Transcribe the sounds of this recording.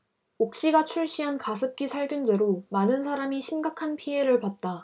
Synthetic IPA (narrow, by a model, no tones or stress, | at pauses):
ok̚ɕ͈iɡat͡ɕʰuɭɕ͈iɦankas̬ʰɯp̚k͈isʰaɭɡjund͡ʑe̞ɾomanɯnsʰaɾamiɕʰimɡakʰanpʰie̞ɾɯɭpat̚t͈a